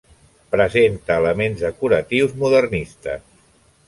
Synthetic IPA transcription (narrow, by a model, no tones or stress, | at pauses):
pɾəzent̪əːləmenzðəkuɾət̪iwzmuðərnist̪əs